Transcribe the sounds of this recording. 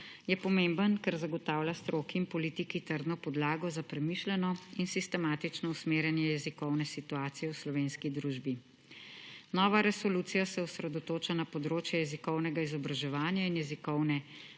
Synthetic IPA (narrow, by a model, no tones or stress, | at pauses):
jɛpɔmembənkɛɾzaɡɔt̪aːwlʲjast̪ɾoːkiːnpɔlit̪ikit̪əɾd̪nɔpɔd̪laːɡɔzapɾɛmiʃlɛnɔinsist̪ɛmaːt̪it͡ʃnɔusmeːɾjɛnjɛjɛzikɔwnɛsit̪uaːt̪sijɛwslɔʋeːnskid̪ɾuːʒbi | nɔʋaɾɛsɔluːt̪sijasɛusɾɛd̪ɔt̪oːt͡ʃanapɔd̪ɾoːt͡ʃjɛjɛzikɔwnɛɡaizɔbɾaʒɛʋaːnjainjɛzikɔwnɛ